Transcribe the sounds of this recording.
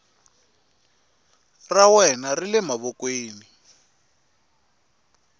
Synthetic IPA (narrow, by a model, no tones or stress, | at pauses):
rawɛnarilɛmaβɔkweːni